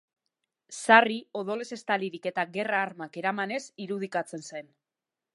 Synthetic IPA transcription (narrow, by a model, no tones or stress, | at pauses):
sario̞ð̞o̞le̞se̞st̪aliɾike̞t̪aɡe̞raːɾmake̞ɾamane̞siɾuð̞ikat͡se̞nse̞n